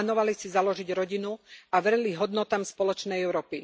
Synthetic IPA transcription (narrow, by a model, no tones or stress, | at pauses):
nɔʋalisizalɔʒiɟɾɔɟinuaʋɛɾɛliɦɔd̪nɔt̪aːmspɔlɔt͡ʃnɛjɛʊɾɔːpi